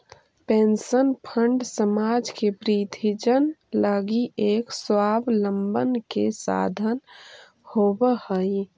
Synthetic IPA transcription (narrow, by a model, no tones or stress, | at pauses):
peːnsənpʰəɳɖsəmaːd͡ʒkepɾit̪ʰid͡ʒənləɡiʔeːkswaːblə̃mbənkesa̰ːd̪ʱən | hoːbəhəi